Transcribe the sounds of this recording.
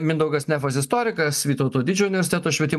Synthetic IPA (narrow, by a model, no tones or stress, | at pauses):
mʲɪnd̪ɐʊɡɐsnʲɛfɐsɪst̪oːɾʲɪkɐsʋʲiːt̪ɐʊt̪oːd̪ʲɪd͡ʒʲuːʊnʲɪʋʲɛɾʲsʲɪt̪ʲæt̪oːʃʲʋʲiɛt̪ʲɪm